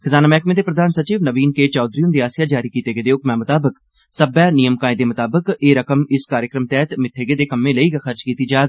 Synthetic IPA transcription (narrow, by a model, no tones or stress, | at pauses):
kʰəzaːnaːmɛːkmẽːd̪eːpɾəd̪ʱaːnsət͡ʃiːʋnəʋiːnkeːt͡ʃaːd̪ɾijəmd̪iːaːsɪjaːd͡ʒaːɾiːkiːt̪eːɡeːd̪eːʊkmɛːmʊt̪aːbək | səbaːnijəmkaːẽd̪eːmʊt̪aːbəkeːɾəkəmɪskaːɾjəkɾəmt̪ɛːt̪mɪt̪ʰːeːɡeːd̪eːkəmːẽːləiːɡaxʰəɾt͡ʃkiːt̪iːd͡ʒaːɡ